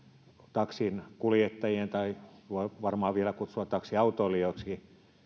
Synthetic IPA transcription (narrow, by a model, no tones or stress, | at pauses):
t̪ɑksinkuljet̪ːɑjent̪ɑioiʋɑrmɑːʋʋielækut̪suɑt̪t̪ɑksiɑut̪oːlːioksi